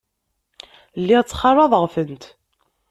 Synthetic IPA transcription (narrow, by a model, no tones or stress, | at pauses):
lːit͡sːχɑɾˤɑðˤəʁfənt̪